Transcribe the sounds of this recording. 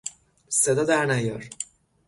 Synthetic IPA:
sed̪ɒd̪æɾnæjɒɾ

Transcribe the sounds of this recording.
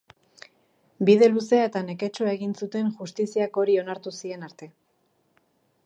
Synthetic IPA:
bið̞e̞luse̞at̪ane̞ke̞t͡ʃuae̞ɣinsut̪e̞nʝust̪isiako̞ɾio̞naɾt̪usie̞naɾt̪e̞

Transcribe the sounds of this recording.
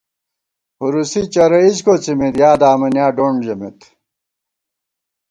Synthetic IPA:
huɾusit͡ɕɐɾɐid͡ʑkot͡simit̪jaːd̪aːmɐnjaːɖoɳd͡ʑɐmit̪

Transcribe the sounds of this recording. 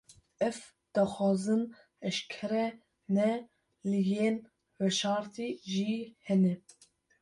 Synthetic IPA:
ɛf | d̪̥ɑxɑːzɨn | ɛʃkʰɛɾɛ | nɛ | lɨjeːn | wɛʃɑːɾt̪ʰiʒihɛnɛ

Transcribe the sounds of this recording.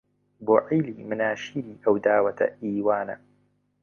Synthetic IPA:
boːʕiːliːmɪnaːʃiːɾiːʔɐwd̪aːwɐt̪ʰɐ̰ʔiːwaːnɐ̰

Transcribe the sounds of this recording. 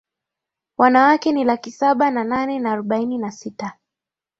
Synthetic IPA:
wanawakɛnilakisaɓanananɛnaːɾɔɓaininasita

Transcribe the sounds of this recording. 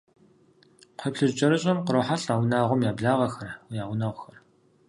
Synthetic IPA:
qʷʰepɬɨʑt͡ʃʼɐɾɨɕʼɐmqəɾoːħaɬaːwnaːʁʷʊmjaːbɮaːʁɐxɐrwjaːwʷʊnaʁʷxɐr

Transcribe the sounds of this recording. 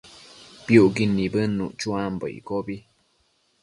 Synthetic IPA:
piuʔɡinːibənːṵʔt͡ʃuambə̰ḭkobi

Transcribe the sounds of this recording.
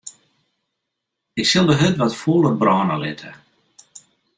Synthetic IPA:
ɪksɪlˠdəɦøtʋɔtfolˠəbrɔːnəlɪ̰tʰə

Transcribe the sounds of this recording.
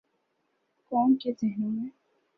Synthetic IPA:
kɔːnkezɪɦnimẽ

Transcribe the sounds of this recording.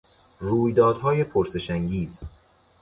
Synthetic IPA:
ɾuːjd̪ɒːd̪̥hɒːje̞pʰoɾse̞ʃæŋɡiːz

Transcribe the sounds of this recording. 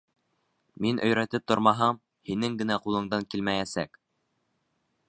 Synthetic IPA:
minʔɵ̆jɾæt̪ɘp̚t̪ŏɾmɑɦɑm | hinɘŋɡɘ̆næqulˠɤ̆ɴd̪ɑŋkilmæjæsæk

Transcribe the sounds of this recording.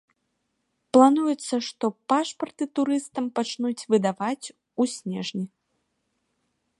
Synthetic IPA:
plˠanujɛt̪sːɐʂt̪ɔpaʂpɐrt̪ɨt̪uɾɨst̪ɐmpat͡ʂnut͡sʲvɨd̪avat͡sʲ | usʲnʲɛʐnʲi

